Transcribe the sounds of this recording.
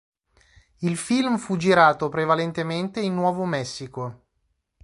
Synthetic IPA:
ilfilmfud͡ʒiɾaːt̪opɾevalent̪ement̪einːwɔːvomɛsːiko

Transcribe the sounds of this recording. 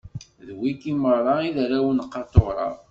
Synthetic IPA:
ðwikimərˤɑiðɾæwənəqːɑɾt̪oʁɾˤɑ̰

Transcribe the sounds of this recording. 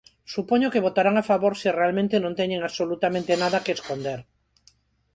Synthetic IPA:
supoɲokeβot̪aɾaŋafaβoɾsirealmẽnt̪enõnt̪eɲeŋaβsolut̪amẽnt̪enaðakeːskond̪eɾ

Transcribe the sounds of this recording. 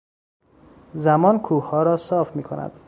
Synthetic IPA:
zæmɒːnkʰuːhɒːɾɒːsɒːfmiːkʰonæ̰d̪̥

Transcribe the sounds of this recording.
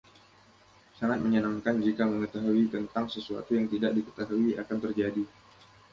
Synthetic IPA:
saŋat̪̚məɲənaŋkand͡ʒikaməŋət̪aɦuit̪ənt̪aŋsəsua̰t̪ujaŋt̪idaʔ̚dikə̥t̪aɦuiʔakant̪ərd͡ʒadi

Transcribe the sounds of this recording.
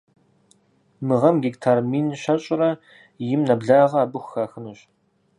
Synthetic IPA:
mɨʁɐmɡʲeːktʰaːrmiːnɕɐɕʼɪrɐ | jɪmnɐbɮaːʁɐaːbɨxʷxaːxɨnuːɕ

